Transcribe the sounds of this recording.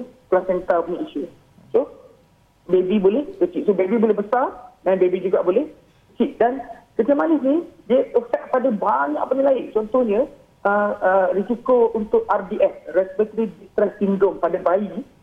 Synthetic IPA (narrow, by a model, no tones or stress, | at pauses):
plasɛnt̪apɲaʔiʃu | so | bebibolɛhkət͡ʃiʔsobebibolɛɦbəsardanbebid͡ʒuɡaʔbolɛh | ət͡ʃiʔ̚dankət̪iəmanɪsnidiəəfɛk̚padabaɲã̰ʔpənilaɪʔt͡ʃɔnt̪ɔhɲə̃ | əərisikəlunt̪ʊʔardiʔɛsrɛsbɛt̪əɾidist̪ɾɛssiŋdɾɔmpadabai